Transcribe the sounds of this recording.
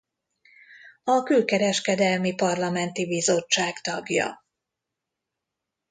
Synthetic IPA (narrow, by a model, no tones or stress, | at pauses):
ɒkylkɛɾɛʃkɛd̪ɛlmipɒrlɒmɛnt̪ibizo̞t͡ʃːaːkt̪ɒɡjɒ̰